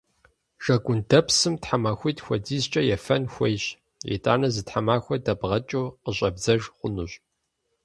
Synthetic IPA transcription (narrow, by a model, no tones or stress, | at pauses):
ʒ̥ɐɡʷʊndɐpsɨmtħamaːxʷiːtxʷɔdiːzt͡ʃʼɐjɛfɐnxʷɐjɕ | ḛtʼa̰ːnɐzɨtħamaːxʷɔdɐbʁɐt͡ʃʼoːqəɕʼɐbzɐʒqʷʊnuɕʼ